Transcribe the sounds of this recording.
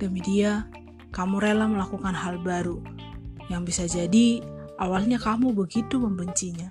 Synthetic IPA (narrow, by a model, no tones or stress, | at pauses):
d̥əmidia | kamuɾelaməlakukanɦalbaɾu | jaŋbisad͡ʒadiʔawalɲakamubəɡit̪uməmbəɲt͡ʃiɲa